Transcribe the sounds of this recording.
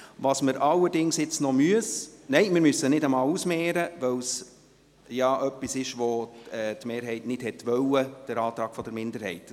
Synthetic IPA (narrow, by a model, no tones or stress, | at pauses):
ʋɑsməɾʔɑlːəɾdɪŋsjɪt͡snɔmyəsnɛɪmɪɾmysːənɪdəmɑːlusmɛːɾəʋɛws | jɑʔœpːisɪʃʋoɛːtmeːɾɦɛɪtnɪd̥hɛtʋœwəd̥əɾɑːt̪ɾɑːɡ̥fɔdəɾmɪndəɾhɛɪt